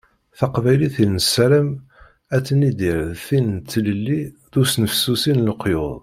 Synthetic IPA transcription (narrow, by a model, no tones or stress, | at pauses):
θɑqvæjliθilnəsːæɾəm | æt͡sːənid̪iɾðθint͡s̪ːləlːiðusnəfsusinləqːjʊ̰ðˤ